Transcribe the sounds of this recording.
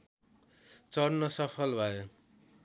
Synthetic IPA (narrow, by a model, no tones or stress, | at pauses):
t͡sʌrnːʌsʌpʰʌlbʱʌjo